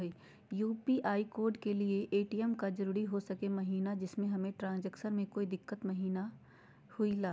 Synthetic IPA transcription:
i | juːpiʔaːikoːɾɖkelieʔeːʈiɛmkad͡ʒɐɾuːɾiɦosɐkemɐɦiːnad͡ʒɪsmẽɦɐmẽʈɾãːnd͡ʒɛkʃəɾmẽkoːid̪ɪkːət̪mɐɦiːna | hʊilaː

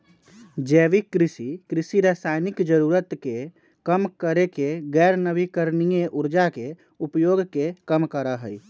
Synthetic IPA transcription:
d͡ʒɛːʋikːɾɪsikɾɪsiɾasaːjnɪkd͡ʒəɾuːɾət̪ke | kəmkəɾekeɡɛːɾnəbikəɾnijeʔʊɾd͡ʒake | upjoːɡkekəmkəɾəɦəi

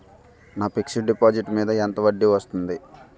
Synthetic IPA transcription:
naːpikʂɐɖɖipaːd͡ʒiʈmiːd̪ɐent̪ɐʋɐɖːiʋɐst̪und̪i

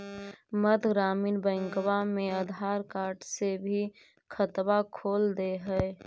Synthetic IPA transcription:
məd̪ʱɡɾaːmiːnbə̃ŋkwamẽəd̪ʱaːɾkaːɾʈsebʱi | kʰət̪bakʰoːld̪eɦɛɪ

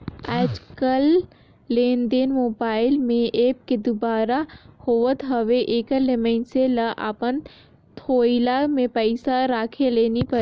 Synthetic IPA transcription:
aːd͡ʒkəlː | eːnd̪eːnmoːbaːɪlmẽʔeːp̚ked̪ʊbaːɾahoːʋət̪ɦɐʋeʔeːkelemẽɳselaʔa̰ːpən | t̪ʰoːilamẽpəɪsaɾaːkʰeleːnipɐɾ

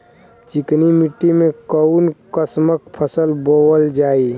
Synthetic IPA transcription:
t͡ʃiknimiʈːimẽkəunkəsmək̚pʰəsəlbowəld͡ʒaːi

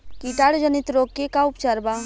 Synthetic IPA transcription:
kiːʈaːɽd͡ʒənɪt̪ɾoːkːekaʊpt͡ʃəɾba

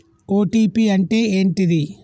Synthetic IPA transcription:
oːʈiːpiɐɳʈeːeːnʈiði

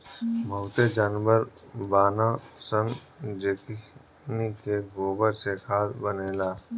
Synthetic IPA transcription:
bʱəʊt̪ed͡ʒaːnʋəɾbaːnasənd͡ʒeki | nikeɡoːbəɾsekʰaːd̪bəneːlaː

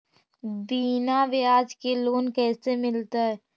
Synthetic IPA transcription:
biːnaʋɪaːd͡ʒkeloːnkɛːsemɪlt̪aɦɛ

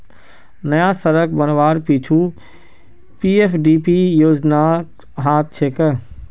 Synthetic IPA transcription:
nɐjasɐɾək̚ʰbɐnʋaːɾpiːt͡ʃʰu | piːefɖiːpijoːd͡ʑna | ɦaːt̪̚t͡ʃʰeːkə

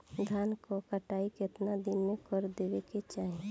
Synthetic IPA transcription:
d̪ʱankokəʈaːikɪt̪nad̪ɪnmẽkɔɾd̪eʋeket͡ʃaːɦi

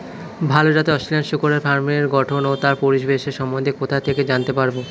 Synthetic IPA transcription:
bʱalod͡ʑat̪eɔsʈilanɖʃukoɾeɾfaɾmieɾɡɔʈʰonot̪aɾpoɾiʃbeʃeɾʃɔmõd̪ʱekot̪ʰat̪ʰeked͡ʑant̪epaɾbo

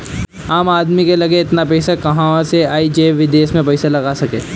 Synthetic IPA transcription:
aːmaːd̪mikelɐɡeɪt̪napɛɪsakɐɦãseaːid͡ʒeːʋɪd̪eːsmẽpɐɪsalɐɡaːsɐkḛː

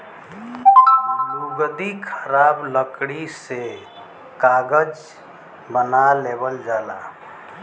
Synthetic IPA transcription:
luɡəd̪ikʰəɾabləkɽise | kaɡəd͡ʒ | bənalebəld͡ʒaːla̰

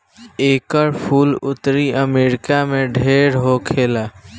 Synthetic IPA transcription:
eːkəɾpʰuːlʊt̪ɾiəmeːɾɪkamẽɖʱeːɾɦokʰeːla

